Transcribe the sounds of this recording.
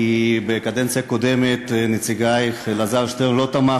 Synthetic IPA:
ibekad̪ent͡sijakod̪emet̪net͡siɡajχlazavʃt̪emlot̪ama

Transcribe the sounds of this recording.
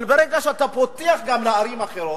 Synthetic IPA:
nbeɾeɡaʃeat̪apot̪iaχɡamlaaɾimaχeɾo

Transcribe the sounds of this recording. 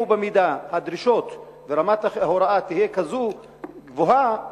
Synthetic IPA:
ubemid̪ahad̪ɾiʃo̞t̪ | veɾamat̪aχhoɾaat̪ihijekazu | ɡvoɦa

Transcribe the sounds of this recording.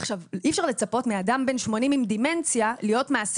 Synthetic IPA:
aχʃavifʃaʁle̞t͡sapo̞tmeadambe̞nʃmo̞nimimd̪ime̞nt͡sjalijo̞tmaːs

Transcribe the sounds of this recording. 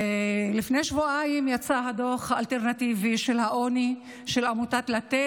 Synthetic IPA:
lifnejʃvuaimjat͡saɦadoχalteʁnativiʃelhaʔo̞ni | ʃelamutatlate

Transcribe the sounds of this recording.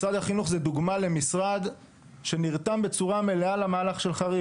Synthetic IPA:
sʁad̪haχinuχzed̪uɡmalemisʁad̪ | ʃe̞niʁt̪ambe̞t͡suʁame̞lealamaːlaχʃe̞lχaʁi

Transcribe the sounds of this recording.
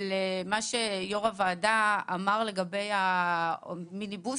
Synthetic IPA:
lemaʃejoʁavaːdaːmaʁle̞ɡabe̞ja | minibu

